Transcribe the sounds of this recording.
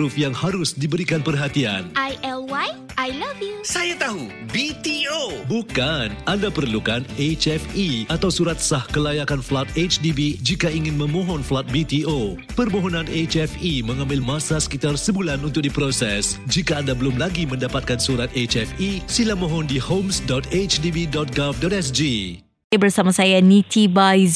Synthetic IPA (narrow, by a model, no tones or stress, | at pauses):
ʊfjaŋhaɾʊsdibəɾikanpərɦat̪ia̰nʔajɛlwaj | ʔajlavjusajat̪aɦu | bit̪iobukanʔandapəɾəlukanet͡ʃɛfiat̪awsuɾat̪̚sahkəlajakanflat̪̚et͡ʃdibid͡ʒikaiŋɪnmə̃mɔ̃ɦɔnflat̪̚bit̪io | pərmɔɦɔnãnet͡ʃɛfiməŋãmbɪlmasasə̥kit̪arsəbulanunt̪ʊk̚dipɾosɛsd͡ʒikaːndabəlʊmlaɡimə̃ndapat̪̚kansuɾat̪̚et͡ʃɛfisilamɔɦɔndihomsdɔt̪et͡ʃdibidɔt̪̚ɡafdɔt̪ɛsd͡ʒi | bərsamasajanit̪ibaj